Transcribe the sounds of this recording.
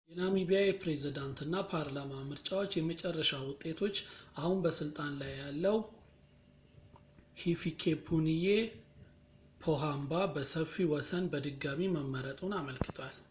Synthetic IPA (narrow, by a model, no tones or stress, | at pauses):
jɛnamibijajɛpɾe̞zid̪ant̪ʰɨnːapʰaɾlamamɨɾt͡ʃʼawo̞t͡ʃːjɛmət͡ʃʼɛrːəʃawʊt̪ʼːe̞t̪ʰo̞t͡ʃːʔahunbəsɨlt̪ʼanlajːalːəw | hifikʰepʰunije̞ | pʰo̞ɦambabəsəfiwɔsənbəd̪ɨɡːamiməmːəɾət̪ʼunaməlkʰɨ̥t̪ʰwal